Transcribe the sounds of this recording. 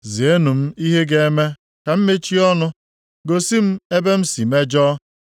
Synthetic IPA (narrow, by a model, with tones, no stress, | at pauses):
zi˨e˦nu˨m̩˦i˦ɦe˦ɡe˦e˦me˦ | ka˨m̩˦me˦t͡ʃi˦ɔ˦nʊ˦ | ɡo˨si˦m̩˦e˦be˦m̩˦si˨me˦d͡ʒɔː˦